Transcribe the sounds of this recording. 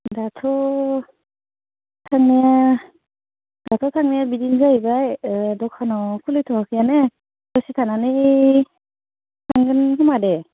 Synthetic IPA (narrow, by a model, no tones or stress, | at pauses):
datʰɔ | tʰaŋnija | datʰɔtʰaŋnijabidinzaibajdɔkʰanɔkʰulɯjtʰɔŋakʰɯjane | dɔsitʰananɯ | tʰaŋɡɯnkɯmade